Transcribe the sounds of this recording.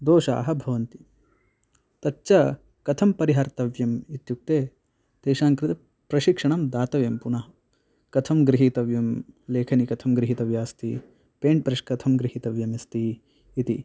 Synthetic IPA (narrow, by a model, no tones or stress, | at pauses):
d̪oːʃa̰ːɦɐbʱɐʋɐnt̪i | t̪ɐtːt͡ʃɐ | kɐt̪ʰɐmpɐɾiɦaɾt̪ɐʋjɐmit̪juk̚t̪eː | d̪̥eːʃaːŋkɾɪt̪ɐ | pɾɐʃikʂɐɳɐmd̪aːt̪ɐʋjɐmpunɐɦɐ | kɐt̪ʰɐmɡɾiɦit̪ɐʋjɐmleːkʰɐnikɐt̪ʰɐmɡɾiɦit̪ɐʋjaːst̪i | peːɳʈ̚pɾɐʃkɐt̪ʰɐmɡɾiɦit̪ɐʋjɐmist̪iː | t̪i